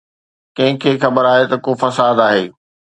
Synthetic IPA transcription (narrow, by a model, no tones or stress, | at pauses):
kɐ̃ɦɪ̃kʰeːxɐbəɾaːɦet̪ɐkoːfɐsaːd̪aːɦeː